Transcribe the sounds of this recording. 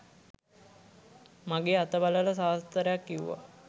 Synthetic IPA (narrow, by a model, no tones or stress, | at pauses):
maɡeːat̪əbalələsaːst̪əɾejakːiṵʋa̰